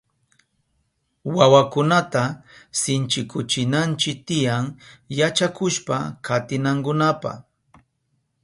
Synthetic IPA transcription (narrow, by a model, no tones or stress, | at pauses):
wawakʊnat̪asɪnt͡ʃɪkʊt͡ʃɪnant͡ʃɪk̚t̪ɪjaŋjat͡ʃakʊʃpa̰kʰat̪ɪnaŋkʊnapa̰